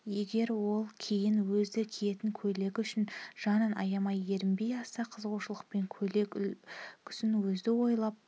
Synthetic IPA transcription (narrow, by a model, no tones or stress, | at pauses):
je̞ɡʲe̞ɾwo̞lˠkʲʰejɪnwɵzd̪ɪkʲʰije̞t̪ɪŋkʲʰɵle̞kʲʏʃɪnʒ̥ɑnənɑ̰jɑmɑje̞ɾɪmbe̞jɑsɑqʰəzʁuʃəlˠəqpe̞ŋʲʰ | kʲʰʏ̥sɪnwɵzd̪ɪwo̞jlˠɑp̚